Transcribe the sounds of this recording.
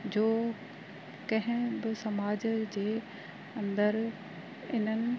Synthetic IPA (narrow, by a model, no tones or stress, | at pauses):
d͡ʑoː | kɐ̃ɦɪ̃bɪsɐmaːd͡ʑd͡ʑeː | ɐ̃nd̪əɾ | ɪn̤ənɪ̆